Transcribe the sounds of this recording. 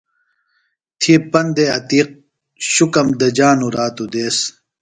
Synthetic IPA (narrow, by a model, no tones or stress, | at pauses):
t̪ʰipɐnd̪eɐ̰t̪iːq̚ | ɕukɐmd̪ɐd͡ʑaːnuɾaːt̪ud̪eːs